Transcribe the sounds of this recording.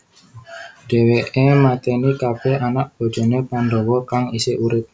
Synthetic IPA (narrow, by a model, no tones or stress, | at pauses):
d̥e̤weʔemat̪ɛnikapɛanaʔ̚b̥o̤d̥d͡ʒ̥ɔ̤nepanɖowɔkaŋiseʔuɾɪt̪̚